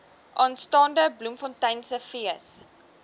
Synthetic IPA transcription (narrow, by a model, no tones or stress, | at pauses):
ʔɑːnstɑːndəblumfɔntɐjnsəfiəs